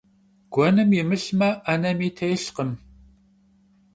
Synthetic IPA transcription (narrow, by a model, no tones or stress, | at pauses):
ɡ̥ʷɔnɨmjɪmɨɬmɐʔɐnɐmiːtʰejɬqəm